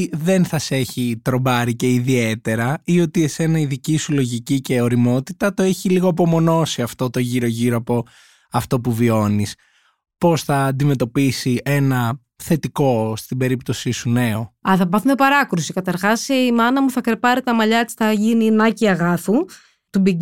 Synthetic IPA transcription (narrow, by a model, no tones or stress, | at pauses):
ðe̞nθɐse̞çit̪ɾo̞bɐɾice̞iðie̞t̪e̞ɾɐio̞t̪ie̞se̞nɐiðicisulo̞ʝicice̞o̞ɾimo̞t̪it̪ɐt̪o̞eçiliɣoɐpo̞mo̞no̞siɐft̪o̞t̪o̞ʝiɾo̞ʝiɾoɐpo̞ | ɐft̪o̞puvio̞nis | po̞sθɐːnd̪ime̞t̪o̞pisiʔe̞nɐ | θe̞t̪iko̞st̪ibe̞ɾipt̪o̞sisune̞o̞ɐθɐbɐθumepɐɾɐkɾusikɐt̪ɐɾxɐsiimɐnɐmuθɐkɾepɐɾit̪ɐmɐʎɐesi̥θɐʝininɐciɐɣɐfu | t̪ubi